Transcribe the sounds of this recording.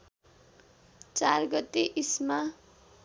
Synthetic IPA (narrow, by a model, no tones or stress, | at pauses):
t͡sarɡʌt̪ːeʔisma